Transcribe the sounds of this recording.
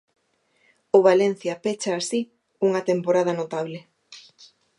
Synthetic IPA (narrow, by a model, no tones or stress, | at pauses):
ʊβalen̟θjɐpet͡ʃaːsi | uŋɐt̪empoɾað̞ɐnot̪aβle